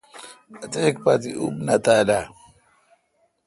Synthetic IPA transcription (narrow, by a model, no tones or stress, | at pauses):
at̪ek̚pat̪iṵbnat̪ada